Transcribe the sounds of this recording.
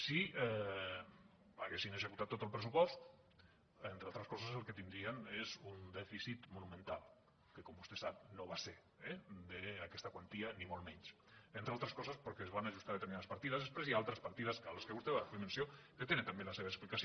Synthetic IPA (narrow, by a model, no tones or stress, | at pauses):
siɛ | aɣesinezekut̪at̪ːot̪əlpɾəsupɔst̪ | ent̪ɾealˠt̪ɾəskɔsəzəlˠket̪ind̪ɾienezund̪ɛfisit̪munumẽnt̪alˠ | kekombust̪esap̚noβaseɾ | ɛd̪eakɛst̪akwant̪ianimolmɛɲs | ent̪ɾealˠt̪ɾəskɔzəspəɾkeːzβanaʒust̪aðet̪eɾminaðəspaɾt̪iðɐzðespɾezjiaalˠt̪ɾəspaɾt̪iðəskaləskeβust̪eβaimensioket̪enet̪ambelaseβaeksplikas